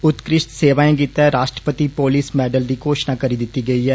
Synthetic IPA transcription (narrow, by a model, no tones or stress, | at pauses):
ʊt̪kɾɪʃt̪seːʋaːẽːɡiːt̪ɛːɾaːʃʈɾəpət̪iːpoːliːsmɛːɖəld̪iːkoːʃnãːkəɾiːd̪ɪt̪ːiːɡəiːɛː